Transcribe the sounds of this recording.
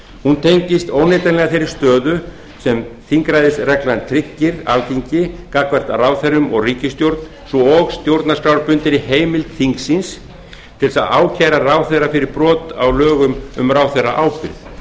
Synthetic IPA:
hunt̪ʰejɲcɪst̪owneːt̪anlɛɣaθejɾɪɾ̥st̪œːðʏ | sɛmθiŋkɾajðɪsrɛklant̪ʰɾɪcːɪɾa̰lciɲcɪkakvɛr̥t̪araːwθɛɾʏmɔɣriːcɪst̪jowɾt̪n | sɔɔɣst̪jowɾt̪naskɾawɾpʏnt̪ɪnɪheːjmɪlt̪θiŋksins | t̪ʰɪlsaðaːwcʰɛːjɾarawθejɾafɪɾɪɾpɾɔːt̪awlœːɣʏmʏ̰mrawθejra̰ʔaːwpɪɾθ

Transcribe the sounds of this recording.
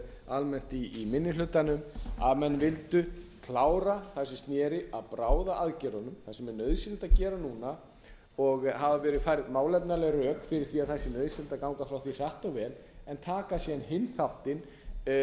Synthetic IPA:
almɛn̥t̪iːmɪnːɪlʏt̪anʏma̰ðmɛnːvɪlt̪ʏkʰlaːwɾaθasɪst̪njɛːɾɪʔaðpɾaːwðaʔaðcɛɾɔnʏmθasɛmɛnœðsɪlt̪acɛːɾanuːna | ɔɣɦavavɛːɾɪfaːjɾɪðmaːwlɛp̪nalɛrœːkfɪɾɪɾ̥θiaðθɛsːɪnœðsɪlt̪akawŋkafɾawθir̥jaht̪avɛːlɛnt̪ʰaːkasjɛnɦɪnθawht̪ɪn

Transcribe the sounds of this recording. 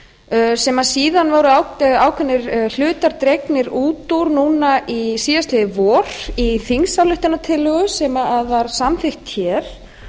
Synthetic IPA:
sɛmasiːðanvoːwɾʏawaːwkʰvɛnːɪɾl̥ʏːt̪aɾt̪ɾejknɪɾuːt̪uɾnuːnaʔisiːðast̪lɪɪvɔːɾ̥iθiŋsawlʏht̪ɪnːat̪ʰɪlːœɣʏsɛmaaðvaɾ̥samθɪxt̪çɛːɾ̥

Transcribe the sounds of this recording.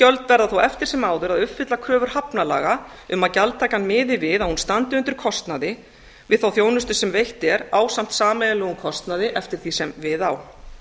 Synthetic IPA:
cœlt̪vɛɾðaθowʔɛft̪ɪɾ̥sɛmaːwðʏɾaðʏpfɪt̪lakʰɾœːvʏɾ̥hapnala̰ːɣa | ʏmaðcalt̪ʰaːjkanmɪːðɪvɪðaðhunst̪ant̪ɪʏnt̪ʏɾ̥kʰɔst̪naðɪ | vɪðθawθjoːwnʏst̪ʏsɛmvejht̪ɛɾaːwsam̥t̪saːmɛðɪlœːɣʏmkʰɔst̪naðɪʔɛft̪ɪɾ̥θisɛmvɪðaw

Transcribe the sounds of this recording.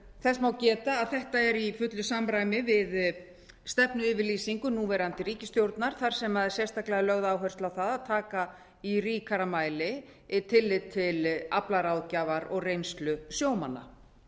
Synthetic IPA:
θɛstmawcɛːt̪aːðθɛht̪aɛɾifʏt̪lʏsamɾaːjmɪvɪð | st̪ɛpnʏʏːvɪɾliːsiŋkʏnuːvɛɾant̪ɪɾiːcɪst̪jowɾt̪naɾ̥θaɾ̥sɛmaðɛsjɛst̪aklɛɣalœɣðaːwɦœr̥st̪awθaðaðt̪ʰaːka | iriːkʰaɾamaːjlɪ | t̪ʰɪlːɪt̪ʰːɪlaplaɾawðcaːvaɾɔɣrejnst̪lʏsjoːwmanːa̰

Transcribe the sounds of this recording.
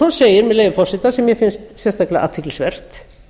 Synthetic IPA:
ɔnseːjɪɾmɛðleːjvɪfɔrsɪt̪asɛmjɛfɪnst̪sjɛst̪aklaa̰ːt̪ʰɪklɪsvɛr̥t̪

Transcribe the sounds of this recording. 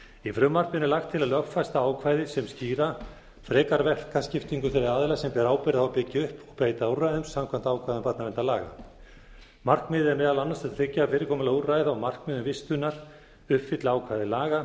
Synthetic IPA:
ifɾʏmːar̥pɪnɪlaxt̪ʰːɪlaðlœɣfajst̪aaːwkʰvaːjðɪsɛmsciːɾa | fɾɛːkaɾvɛl̥kascɪft̪iŋkʏfɪɾɪðaːðɪlasɛmpɛɾaːwpɛɾɪðaawpɪcːɪʏhpɔɣpeːjt̪aurːajðʏmsamkʰvan̥t̪aːwkʰvajðʏmpaɾt̪navɛnt̪alaːɣa̰ | mar̥kmɪːðɪɛɾmɛːðalanːast̪at̪ʰɾɪcːaafɪːɾɪkʰɔːmʏlauraːjðawmar̥kmɪðʏmvɪst̪ʏnaɾ̥ | ʏhpfɪt̪lɪaːwkʰvajðɪlaːɣa

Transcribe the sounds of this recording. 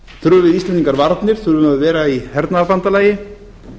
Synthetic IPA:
θɾʏvɪðislɛnt̪iŋkaɾvaɾt̪nɪɾ̥θʏɾvʏnaðvɛːɾaihɛɾt̪naaɾpant̪alaːjɪ

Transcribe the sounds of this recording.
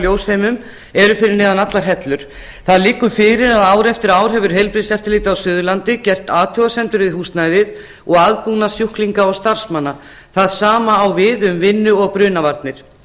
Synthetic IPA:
ljoːwshejmʏm | ɛɾʏfɪɾɪɾnɛːðanat̪laɾ̥ɦɛt̪lʏɾ̥ | θaðlɪːkːʏfɪːɾɪɾaðaːwɾɛft̪ɪɾaːwɾ̥ɦɛːvʏɾ̥ɦejlpɾiðsɛft̪ɪɾliːt̪ɪawsʏːðʏlant̪ɪcɛr̥t̪aːt̪ʰœːwɣasɛnt̪ʏɾvɪðhuːst̪naːjðɪð | ɔɣaðpunasjuhkliŋkaɔɣst̪aɾ̥smanːa | θaðsaːmaːwvɪðʏmvɪnːʏɔɣpɾʏːnavaɾt̪nɪɾ̥

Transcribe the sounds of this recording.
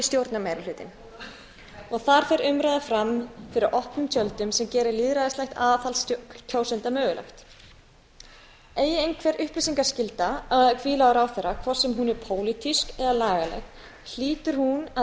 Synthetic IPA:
ist̪jowɾt̪namajɾʏlʏːt̪ɪ̰n | ɔɣθaɾ̥fɛɾʏmɾajðafɾamfɪɾɪɾʔɔhpnʏmt̪ʰjœlt̪ʏmsɛmcɛːɾɪliðɾaðɪst̪lajht̪aːðaθalst̪ʰowsɛnt̪amœːɣʏla̰xt̪ | eːjɪejnkʰvɛɾʔʏhplɪsiŋkaɾ̥scɪlt̪aaðkʰviːlaːɣʏɾawθɛrːakʰvɔr̥sːɛmɦunɛɾpʰoːwlit̪iskɛðalaːɣalɛ̰x | l̥iːt̪ʏɾ̥huna

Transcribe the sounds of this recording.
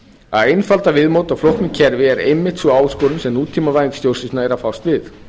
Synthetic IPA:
a̰ðejnfalt̪avɪðmowt̪awflowht̪nɪcʰɛɾvɪɛɾejmːɪht̪suaːwskɔːɾʏnsɛmnuːt̪ʰːiːmavajst̪jowrsɪstnaɛɾafawst̪vɪθ

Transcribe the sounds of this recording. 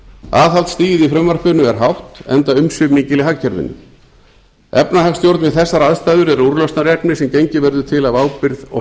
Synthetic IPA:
aːθalt̪st̪iːjɪðifɾʏmvar̥pʏnʏɛɾ̥ɦawht̪ɛ̰nt̪aʏmsʏmiːcɪlɪɦacʰːɛɾvɪ̰nːʏ̰m | ɛpnaɦakst̪jowɾt̪vɪðθɛsːaɾaðst̪aːjðʏɾɛɾuɾlœst̪naɾjɛpnɪsɛmcejɲcɪvɛɾðʏt̪ʰɪlavaːwpɪɾðɔ̰

